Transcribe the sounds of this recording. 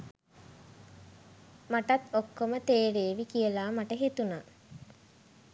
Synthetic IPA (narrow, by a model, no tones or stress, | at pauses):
maʈat̪okːomət̪eːɾeːʋikijəlaːmaʈəɦet̪una